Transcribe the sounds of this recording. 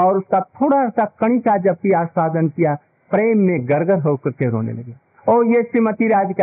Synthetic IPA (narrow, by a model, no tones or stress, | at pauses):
ɔːɾʊskat̪ʰoːɽaɛsakɐɽ̃isʰad͡ʒɐb̚kiaːsaːd̪ənkija | pɾeːmːẽɡɐɾɡəɾɦoːkɐɾkeɾo̰ːnḛlɐ̰ɡeː | oːjeʃɾimət̪iɾaːd͡ʒkː